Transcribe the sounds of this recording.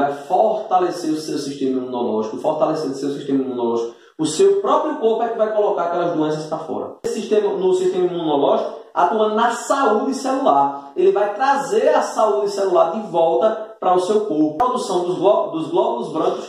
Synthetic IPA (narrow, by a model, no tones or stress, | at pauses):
ajfoɾt̪aleseɾʊsewʊsiʃt̪ẽmɐimũnɔlɔ̰ʒikʊfoɾt̪aleseɾʊsewsiʃt̪ẽmɐimũnɔlɔʒikʊ | ʊsewpɾɔpɾjʊkoɾpʊɛkɪvajkolokaɾpɛlɐzd̪uẽsɐspɾɐfɔ̰ɾɐ̰siʃt̪ẽmɐnʊsiʃt̪ẽmɐimũnɔlɔʒikʊa̰t̪uɐ̃nɐsaud̪ɪselulaɾelɪvajt̪ɾazeɾɐsaud̪ɪsɛlulaɾd̪ɪvɔwˠt̪ɐpɾɐʊsewkoɾpʊɾɔd̪usɐ̃w̃d̪ʊzlɔd̪ʊzɡlɔbʊzvɾɐ̃kʊs